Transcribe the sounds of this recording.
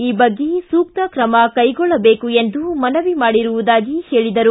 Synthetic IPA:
iːbɐɡːesuːk̚t̪ɐkɾɐmɐkɐjɡɔɭːɐbe̞ːkue̞nd̪umɐnɐʋimaːɽiɾuʋud̪aːɡiheːɭid̪ɐɾu

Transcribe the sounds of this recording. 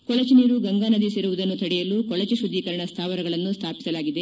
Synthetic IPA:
kɔɭɐt͡ʃiniːɾuɡɐŋɡaːnɐd̪isiɾuʋud̪ɐnːut̪ʰɐɽijɐlukɔɭɐt͡ʃuʃud̪ːiːkɐɾɐɳɐst̪ʰaːʋɐɾɐɡɐɭɐnːust̪ʰaːpisɐlaːɡid̪e

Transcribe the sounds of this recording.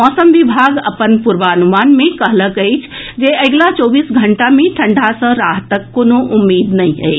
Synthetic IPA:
ɔːsəmʋibʱaɡə̰pənpuɾʋaənumaːnmẽkəɦləkəjt͡ʃʰd͡ʒeʔəɡlat͡ʃɔːbiːsɡʱəɳʈamẽʈʰəɳɖʱasə̃ɾaɦt̪əkːoːnoʔumːiːd̪nəɦĩɦə̰

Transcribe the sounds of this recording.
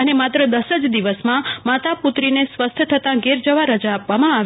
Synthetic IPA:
ənemat̪ɾəd̪əsəd͡ʒd̪iʋəsmãmat̪aput̪ɾinesʋəst̪ʰjət̪ʰət̪ãɡeɾd͡ʒəʋaɾəd͡ʒaːpʋamãaʋ

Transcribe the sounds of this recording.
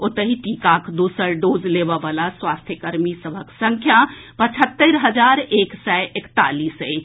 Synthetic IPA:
ot̪əɦiʈikakd̪usəɾɖod͡ʒlebəbalaswast̪ʰjəkəɾmisəbʱəksə̃ŋkʰjapət͡ʃʰət̪ːəɾɦəd͡ʒaɾeksɛʔekt̪alisəj

